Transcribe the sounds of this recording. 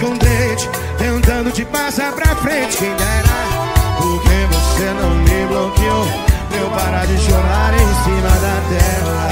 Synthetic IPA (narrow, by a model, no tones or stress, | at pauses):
kõw̃d̪et͡ʃɪ̥ | t̪ẽnt̪ɐ̃d̪ʊt͡ʃɪpasaɾpɾɐfɾẽt͡ʃɪkẽj̃ɡaɾa | poɾkevosenɐ̃w̃libɐwkɪo | mewpaɾad͡ʒɪʃoɾaɾẽj̃sĩmɐd̪ɐt̪ɛɦɐ